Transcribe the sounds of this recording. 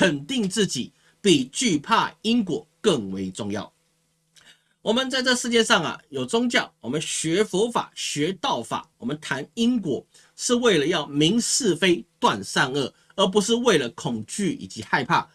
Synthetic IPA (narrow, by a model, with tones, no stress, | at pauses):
kʰə˨˩nt̪i˥˧ŋt͡sɹ̩˥˩t͡ɕi˨˩˦ | pi˨˩t͡ɕy˥˧pʰa˥˩i˥ŋkwɔ̰˧˩˦kə˥˩ŋwe˧˥ɪt͡sʊ˥˧ŋjɑ̰˥˩ʊ | wɔ˨˩mə˨˦nt͡sa˥˧ɪʈ͡ʂɤ˥˧ʂɻ̩˥˧t͡ɕjɛ˥˧ʂɑ˥˩ŋɐ̰˩jo˨˩ʊt͡sʊ˥ŋt͡ɕjɑ˥˩ʊwɔ˨˩mə˦nɕɥɛ˧˥fɔ˧˥fa̰˨˩ɕɥɛ˧˥t̪ɑ˥˩ʊfa̰˨˩˦wɔ˨˩mə˨˦nt̪ʰa˧˥ni˥nkwɔ̰˧˥ | ʂɻ̩˥˧we˥˩ɪlə˩jɑ˥˩ʊmi˧˥ŋsɹ̩˥˧fe˥ɪt̪wa˥˧nsa˥˧nə˥˩ | ə˞˧˥p̬u˧˥ʂɻ̩˥˧we˥˩ɪlə˩kʰʊ˨˩ŋt͡ɕy˥˩ḭ˨˩t͡ɕi˧˥xa˥˧ɪpʰa̰˥˩